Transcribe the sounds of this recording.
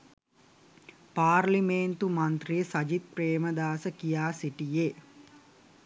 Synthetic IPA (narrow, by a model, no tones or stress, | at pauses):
paːɾlimeːnt̪umɐnt̪ɾijesɐd͡ʒit̪̚pɾeːməd̪aːsəkijaːsiʈije